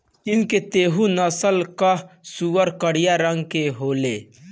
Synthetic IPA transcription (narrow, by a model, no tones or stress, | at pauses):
kɪnket̪eːɦũnɐsəlkasuːəɾkəɽijaɾəŋɡkeɦoːleː